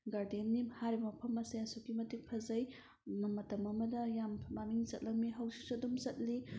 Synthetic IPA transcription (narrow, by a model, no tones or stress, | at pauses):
ɡaɾdemnimhaɾibɐmɐpʰɐmɐseɐsokimɐtikpʰɐzɐj | mɐmɐtɐmɐmɐdɐjammaniŋzɐt̚lɐk̚miɦɐwsisɐdumzɐt̚li